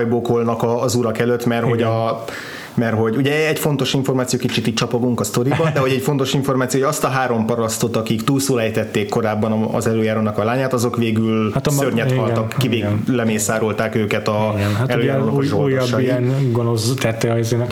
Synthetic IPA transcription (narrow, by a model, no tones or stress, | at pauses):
jboːko̞lnɒkɒːzuɾɒkɛløt̪ːmɛrɦo̞ɟɒ | mɛrɦo̞ɟuɟɛɛcfo̞nt̪o̞ʃiɱfo̞rmaːt̪sijoːkit͡ʃit̪iːct͡ʃɒpɒɡuŋkɒst̪o̞ɾibɒnd̪ɛɦo̞ɟɛɟfo̞nt̪o̞ʃiɱfo̞rmaːt̪sijojɒst̪ɒɦaːɾo̞mpɒɾɒst̪ot̪ɒkikt̪uːlsoːlɛjt̪ɛt̪ːeːkːo̞ɾaːbːɒnɒ̰ːzɛløːjaːɾonːɒkɒlaːɲaːt̪ɒzo̞kʋeːɡylasørɲɛɒlt̪ɒkːiveːlɛmeːsaːɾolt̪aːkøːkɛt̪ɒnaɛlløːaːonːokoʒorujʃɛnɡonost̪ɛt̪ːɛizenɛ